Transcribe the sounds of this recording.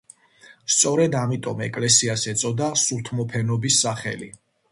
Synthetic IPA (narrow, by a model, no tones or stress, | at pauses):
st̪sʼɔɾɛd̪amit̪ʼɔmɛ̰kʼlɛsiasɛt̪sʼɔd̪asuɾt̪ʰmɔpʰɛnɔbisːaχɛ̰lḭ